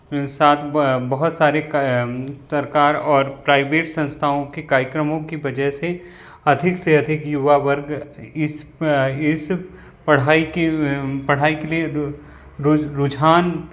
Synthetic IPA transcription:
saːt̪ʰbɐɦʊt̪saːɾe | sɐɾkaːɾɔːɾpɾaːɪbeːʈsɐ̃nst̪ʰaõkekaːɾjəkɾəmõkibɐd͡ʒəɦse | ɐd̪ʱɪkseɐd̪ʱɪkjʊʋaʋəɾɡɪsɪs | pɐɽ̤aːikepɐɽ̤aːikelie | ɾʊd͡ʒʱaːn

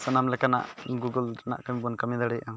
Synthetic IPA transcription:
sɐnamlɛkana̰ʔɡuɡəlɾna̰ʔkɐmibunkɐmid̪aɽɛʔam

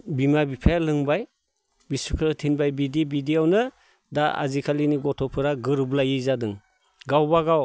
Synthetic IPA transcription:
bimabipʰalɯŋbaj | bisukʰɯtʰinbajbidibidiawnɯ | daa̰zikʰaliniɡɔtʰɔpʰɯɾaɡɯɾblajizadɯŋ | ɡawbaɡaw

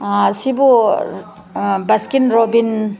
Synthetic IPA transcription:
sibu | bɐskinɾobin

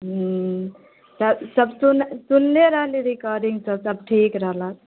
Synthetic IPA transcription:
t̪əsəbsunsunːeɾəɦliɾikəɾiŋɡsəbsəb̚ʈʰikɾəɦlat̪̚

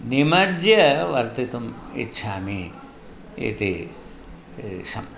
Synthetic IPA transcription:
nimɐd͡ʒjɐʋɐɾt̪it̪umḭtːʃʰaːmi | ḛt̪e | sɐ̰

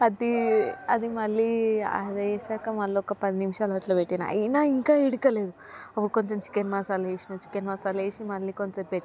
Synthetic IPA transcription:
ɐd̪iɐd̪imɐlːia̰jɐd̪ɐeːʃaːkɐmɐlːɔkɐpɐd̪inimʃaːlɐʈlɐpeʈːina̰ɐ̰jnaiŋkaːiɽikɐleːd̪u | ɐpːuɽukoɲt͡ʃomt͡ʃi̥kenmaːsaːleːʃinɐt͡ʃi̥kenmaːsaːleːʃimɐlːikoɲt͡ʃɐmpeʈːi

